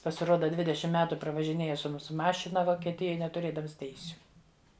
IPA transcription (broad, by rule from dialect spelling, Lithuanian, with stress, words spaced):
pɐsʲɪˈroːdɐ ˈdʲʋʲɪdʲɛʃʲɪm ˈmʲæːtʊ prɐʋɐʒʲɪˈnʲeːjɛ sʊ ˈmuːsʊ ˈmɑːʃʲɪnɐ ʋoːkʲiɛˈtʲɪjoːj nʲɛtʊˈrʲeːdɐms ˈtʲɛɪsʲʊ